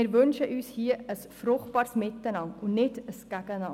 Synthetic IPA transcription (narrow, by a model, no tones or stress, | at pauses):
ɪɾvønʃəʔyːshiəəsfɾʊχt̚b̥ɑːɾsmɪt̪ːənɑŋʊnnɪdəsɡ̥æɡənɑ